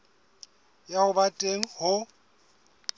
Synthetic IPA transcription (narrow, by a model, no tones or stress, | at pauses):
jahʊbatʼeŋ̩hʊ